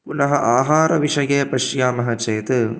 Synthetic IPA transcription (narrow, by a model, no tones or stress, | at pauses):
kʊnɐɦɐʔaːɦaːɾɐʋɪʂɐjeːpɐʂjaːmɐɦɐt͡ʃeːt̪ɯ